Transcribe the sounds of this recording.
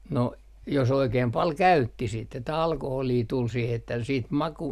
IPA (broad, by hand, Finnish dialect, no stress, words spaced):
no jos oikeːm pɑl kæytːi sit etːæ ɑlkoholiː tul siːh etːæ siːt mɑku